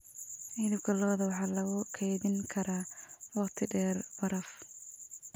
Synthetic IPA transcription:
ʔiːðɪɡɐlɔːðɐwɑħɑːlɐɣʊkʰɛjðɪŋkʰɐɾaːwɑqt̪ʰɪɖɛːrbɐɾɐf

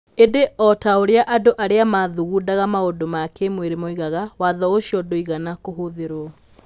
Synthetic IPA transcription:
edeʔɔtaoɾeaʔadoʔaɾeamaðuɣuːdaɣamaodomakemweɾemoiɣaɣawaðɔoɕjɔdoiɣanakoɦoðeɾoɔ

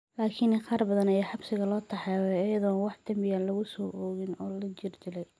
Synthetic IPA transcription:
laːkʰɪnɪqɑːrbɐðɐnɐjɛħɑbsɪɣɐlɔːt̪ʰɐħɛwɛɐjɐðɔːnnwɑħd̪ɐmɪjaːnlɐɣʊsɔːʔɔːɣɪnɔːlɐt͡ʃɪrd͡ʒ̪ɪlɛj

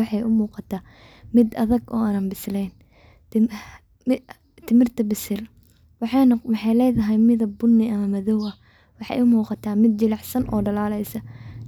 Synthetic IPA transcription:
ɑħɑjʊmuːqɑt̪ʰaː | mɪd̪ɐ̰ðɐɡɔ̰ːaːnaːnbɪslɛjn | t̪ʰɪmɪrt̪ʰɐbɪsɪl | wɑħɑnmɑħɑjlɛːjðɐɦɛjmɪðɐbʊnːɪʔɐmɐmɐðɔwɐ | wɑħɑ̰j̰ʊmuːqɑt̪ʰaːmɪd̪̚t͡ʃɪlɑħsɐnʔɔ̰ːɖɐlaːlɛjsɐ

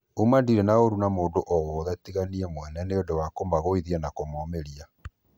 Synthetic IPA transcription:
umandiɾenaoɾunamoːndoʔɔwɔðɛtiɣaniɛmwɛnɛneodowakomaɣoiðiɛnakomɔmeɾia

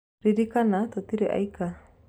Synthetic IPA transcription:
ɾidikanat̪ɔt̪iɾiʔa̰jka

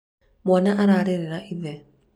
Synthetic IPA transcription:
mwanaʔaɾaɾɛɾɛɾaʔiðɛ

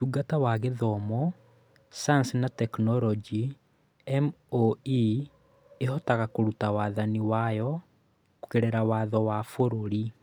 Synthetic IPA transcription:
tuɡatawaɣeðɔmɔ | saansinatɛknɔɾɔd͡ʒi | ɛmoi | eɦɔtaɣakoɾutawaːðaniwajɔ | ko̥keɾeɾawaːðɔwafoɾoɾi

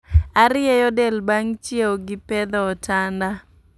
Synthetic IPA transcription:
aɾɪjɛjɔdɛlbaŋt͡ʃjeoɡɪpɛd̪ɔːtanda

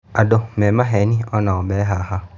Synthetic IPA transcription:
adɔmɛ̃mãɦɛnĩɔnãɔbɛɦaha

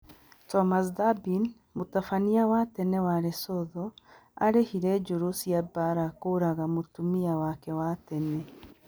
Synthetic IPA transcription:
tɔmas̬dabin | motafaniawatɛnɛwaɾesɔðɔ | a̰ɾehiɾɛd͡ʒoɾosiabaɾakoɾaɣamotumiawakɛwatɛnɛ

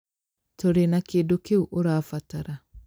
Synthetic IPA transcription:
toɾenakeːdokeuʔoɾafataɾa

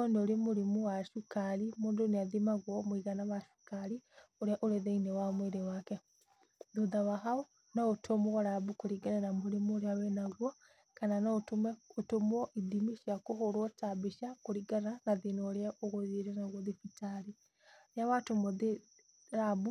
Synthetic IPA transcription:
ɔnoɾemoɾemuwaʃukaɾimoːndoneaðimaɣwɔmoiɣanaβaʃu̥kaɾi | oɾeaʔoɾeðeinɛwamweɾewakɛ | doðawaɦaɔ | naotʰomoɣaɾabukoɾiɡananamoɾemuoɾeawɛnaɣwɔ | kananaotomɛotomɔʔiðimiʃjakoɦoɾwɔtabeʃakoɾiɡananaðenɔɾeaʔoɣoðeɾɛnaɣwɔðifitaɾi | ɾeawatomoðe | ɾabu

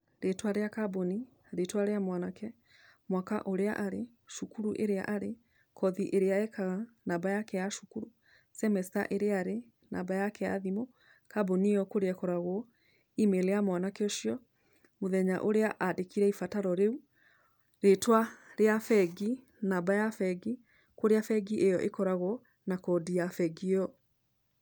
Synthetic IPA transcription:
ɾetwaɾeakaboni | ɾetwaɾeamwanakʰɛ | mwaka̰ʔoɾeaʔaɾe | ʃukuɾuʔḛɾea̰ʔaɾe | kʰɔðiʔeɾeaɛkaɣanabajakɛjaʃukuɾu | sɛmɛsta̰ʔeɾeaɾe | na̰ːbajakɛa̰ðimo | kabonijɔkoɾeɛkɔɾaɣo | imeleamwanakeɔʃiɔ | moðɛɲaʔoɾeaʔadekiɾɛifataɾɔɾeu | ɾetwaɾeafɛɡi | nabajafɛɡi | koɾeafɛɡiʔejɔʔekɔɾaɣo | nakɔdiafɛɡiɔ

